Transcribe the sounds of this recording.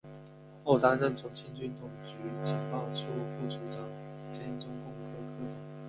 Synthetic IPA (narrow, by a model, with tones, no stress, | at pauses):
o˥˩ʊt̪a˥ɻə˥˨˩nt͡sʰʊ˨˥ŋt͡ɕʰɛ˥nt͡ɕy˥˧nt̪ʰʊ˨˩ŋt͡ɕy˨˥t͡ɕʰi˨˩ŋpɑ˥˩ʊt͡sʰu˥˧fu˥˩t͡sʰu˨˥ɑ˨˥ŋt͡ɕʰɛ˥nt͡sʊ˥ŋkʊ˥˩ŋkʰə˧˥kʰɤ˥t͡ɕi˨˩˦